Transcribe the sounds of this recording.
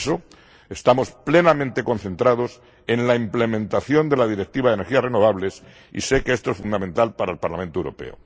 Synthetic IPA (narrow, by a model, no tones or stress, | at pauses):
so | est̪amo̞sple̞namẽnt̪e̞ko̞n̟θe̞nt̪ɾað̞o̞s | e̞nlaimple̞mẽ̞nt̪aθjo̞nd̪e̞lað̞iɾe̞k̚t̪iβaðeneɾxiasre̞no̞β̞aβle̞s | ḭse̞keest̪oesfund̪amẽ̞nt̪alpaɾaelpaɾlamẽnt̪oewɾo̞̰pḛo̰